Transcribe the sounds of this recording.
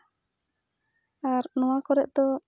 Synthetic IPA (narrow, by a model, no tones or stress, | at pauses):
aɾnɔ̃wakɔɾɛʔ̚d̪ɔ